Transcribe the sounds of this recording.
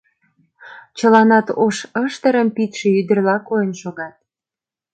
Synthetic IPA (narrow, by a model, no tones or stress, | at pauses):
t͡ɕəlɑnɑt̪oʃəʃt̪əɾəmpit̪ʃĕyd̪ə̆rlɑkojənʃoɣɑt̪̚